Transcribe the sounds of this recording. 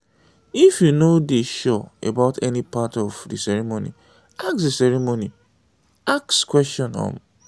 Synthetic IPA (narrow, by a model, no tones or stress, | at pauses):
ifjunodiʃɔḛbaʊtɛnipatɔvdḭsɛɹemonḭ | aksdəsɛɾemoni | akskwɛstɔ̃nɔ̰̃m